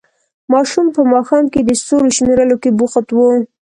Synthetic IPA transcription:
mɑʃumpəmɑxɑmked̪əst̪oɾoʃmeɾəlokebuxat̪wo

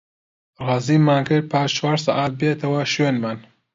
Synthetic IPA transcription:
rɑːziːmaːnkɨɾ̚pʰaːʃt͡ʃwaːɾsɑʔaːt̪̚beːt̪ʰɐwɐʃwenmaːn

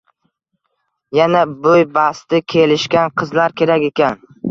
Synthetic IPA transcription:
janabojbast̪ɪkʲʰe̞lɪʃkʲanqʰɨzlaɾkʲʰe̞ɾakʲe̞kʲan

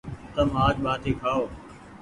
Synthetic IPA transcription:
t̪əmaːd͡ʒɓaːt̪iːkʰaːoː

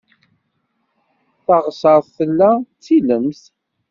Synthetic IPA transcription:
θɑʁəsəɾˤθθəlːæt͡sːiləmθ

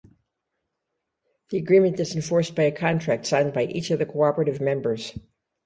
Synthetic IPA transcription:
ðiɨɡɹĩmɨ̃nd̥ɨzɨ̃ɱfɔɹsb̥aɪɨkʰɑ̃ntʰɹ̥æk̚tsãɪ̃nbaɪʔit͡ʃʌvðɨkʰoɑpəɹɨɾɨvmɛ̃mbə˞z̥

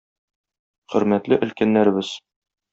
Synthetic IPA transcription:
χɵ̆ɾmæt̪lɘʔɘ̆lkænːæɾɘ̆bɘz̥

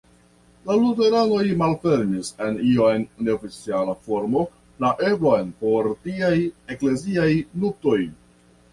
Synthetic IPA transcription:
lalute̞ɾano̞jmalfe̞ɾnise̞nionːe̞ofit͡sialafo̞ɾmo̞ | laʔe̞bɾojnpo̞ɾtiaje̞kle̞ziajnuk̚to̞j

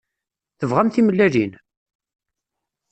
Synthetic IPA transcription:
θəvʁæmθiməlːælin

